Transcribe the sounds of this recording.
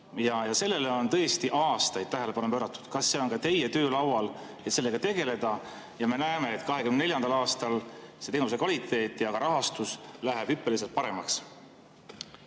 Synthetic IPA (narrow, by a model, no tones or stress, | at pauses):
jɑjɑse̞lːe̞leo̞nt̪ɤ̞est̪iʔɑːst̪ɑjd̪̥̚t̪æɦele̞pɑnupøːɾɑt̪ːˑu̥d̪̥kɑsːe̞o̞nkɑt̪e̞je̞t̪ø̞ːlɑwɑl | e̞t̪se̞lːeɡ̥ɑt̪e̞ɡ̥e̞le̞d̪̥ɑ | jɑme̞næeme̞et̪ːˑkɑɦe̞kymnne̞ljɑnd̪̥ɑlɑːst̪ɑlse̞t̪e̞ːnus̬e̞kvɑlit̪ːˑe̞ːt̪ːˑjɑkɡɑɾɑɦɑst̪uslæɦeb̥hypːˑe̞lis̬et̪̚pɑɾemɑks